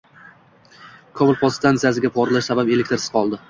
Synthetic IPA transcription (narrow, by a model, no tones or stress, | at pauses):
kʰɒbɪlpʰost̪ʰant̪ijasɪɡʲapʰɒɾlaʃsabape̞lekʲt̪ɪɾsɪz̥qʰɒlˠd̪ɪ